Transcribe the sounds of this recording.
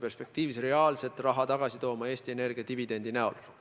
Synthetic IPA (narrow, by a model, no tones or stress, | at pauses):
pe̞rspe̞k̚t̪iːvisre̞ɑːlse̞t̪ːˑrɑɦɑt̪ɑɡ̥ɑsit̪o̞ːmɑeːst̪ie̞ne̞rɡ̥iɑt̪ivid̪e̞nd̪̥inæo̞̰l